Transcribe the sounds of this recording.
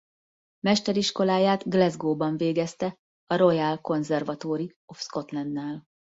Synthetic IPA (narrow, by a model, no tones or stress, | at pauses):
mɛʃt̪ɛɾiʃko̞laːjaːt̪ɡlɛzɡoːbɒɱveːɡɛst̪ɛ | ɒɾo̞jɛlko̞nzɛrvɒt̪oːɾi | o̞fsko̞t̪lɛnd̪ːaːl